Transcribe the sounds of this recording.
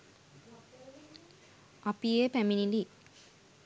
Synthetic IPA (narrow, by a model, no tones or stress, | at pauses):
apijepæminili